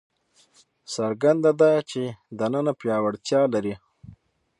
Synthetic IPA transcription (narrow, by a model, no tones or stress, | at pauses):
saɾɡand̪ad̪at͡ʃed̪anənapjɑːwaɽt̪jɑːlaɾi